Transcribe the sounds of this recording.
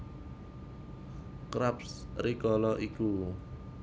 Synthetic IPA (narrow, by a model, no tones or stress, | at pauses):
kɾapsrikɔlɔʔiku